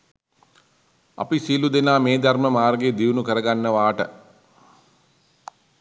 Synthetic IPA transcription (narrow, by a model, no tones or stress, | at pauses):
a̰pisilud̪enaːmeːd̪arməmaːrɡeːd̪iʋnukəɾəɡanːəʋaːʈə